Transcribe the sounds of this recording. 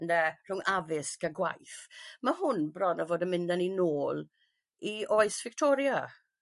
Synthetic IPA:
nɛr̥ʊŋʔavɪsɡ̥əɡwa̰jθmaɦʊnbrɔnəvoːdənmɪndaninoːlˠ | iʔoːɨsv̥ɪk̚tʰɔːɾja

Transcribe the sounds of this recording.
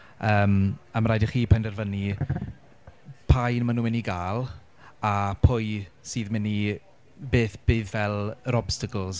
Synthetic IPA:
əːmamɾajdiχiːpʰɛndɛrvəni | pʰajnmanuːmɪniɡaːlˠ | apʰʊjsiːðmɪni | beːθb̥ɨːðvɛlˠɾɔb̥stakəlˠs

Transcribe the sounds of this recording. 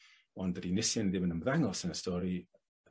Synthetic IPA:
ɔndədinɪsjanðɪmənəmðaŋɔsənəstɔːɾi

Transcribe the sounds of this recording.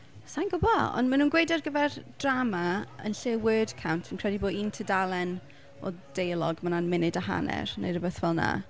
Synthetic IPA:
sajnɡʊbɔɔ̰ndmanuːnɡwejdɛrɡəvɛrd̥ramaə̰nɬɪwəːdkʰawntʰənkʰr̥ɛdiboːdintʰədalˠɛn | ɔ̰d̥ejlˠɔɡmananmɪnɪdaɦa̰nɛ̰rnḛjrəbəθvɛlˠna̰

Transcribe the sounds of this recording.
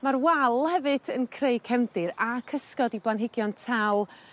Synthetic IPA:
marwɛlˠhɛvɨd̥ənkʰreɨkʰɛmdɨɾakʰəskɔdibanɦɪɡjɔntʰalˠ

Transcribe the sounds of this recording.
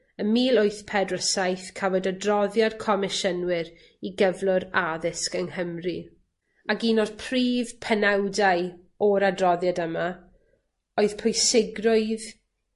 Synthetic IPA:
əmiːlˠoɨθpʰɛdrəsajθkʰavɔdadrɔðjad̥kʰɔmɪʃənwɪɾ | iɡəvlˠʊɾaðɪskəŋhəmri | aɡiːnɔr̥pʰriːv̥pʰənɛwdaj | ɔɾadrɔðjadəma | oɨðpʰojsɪɡrʊɨð

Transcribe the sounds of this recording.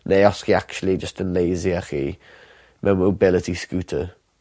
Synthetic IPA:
neːɔskiak̚t͡ʃulid͡ʒəstə̃nleːziəxiː | mʔɛwmobɪlətiskuːtʰə

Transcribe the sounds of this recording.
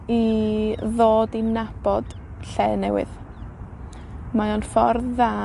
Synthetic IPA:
i | ðoːdinab̥ɔd̥ | ɬɛːnɛwɪ̰ð | majɔnfɔrðða

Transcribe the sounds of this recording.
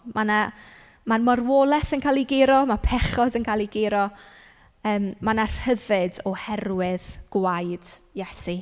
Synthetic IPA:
mʔana | manmɔrwoːlˠɛθənkʰajlˠiɡɪɾɔmapʰɛχɔdənkʰaːlˠiɡɪɾɔ | əːmmanar̥həvɨdɔhɛrwɪðɡ̥wajd̥jɛsi

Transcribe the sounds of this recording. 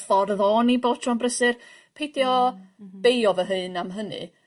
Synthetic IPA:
fɔrðɔːniboːtʰrɔnbrəsɨrpʰejdjɔb̥ejɔvəɦɨːnamɦənɨ̰

